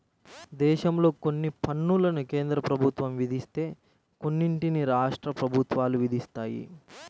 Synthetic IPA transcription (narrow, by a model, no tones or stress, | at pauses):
d̪ɛːʃɐmlo̞ːko̞nːipʰɐnːulɐnukeːnd̪ɾɐpɾɐbʱut̪ʋɐmʋid̪ʱist̪e̞ː | ko̞nːiɳʈiniɾaːʂʈɾɐpɾɐbʱut̪ʋaːluʋid̪ʱist̪aːjḭ